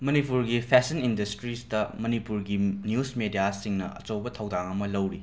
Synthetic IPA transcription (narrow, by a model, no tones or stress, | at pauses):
mɐnipuɾɡipʰesinindɐstɾisdɐmɐnipuɾɡinjusmedijasiŋnɐ̰ʔɐ̰t͡ʃɐwbɐtʰɐwdaŋɐmɐlɐwɾi